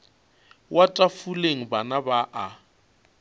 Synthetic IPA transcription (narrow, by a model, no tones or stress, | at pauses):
wʔatʼafuleŋ̩banabaʔa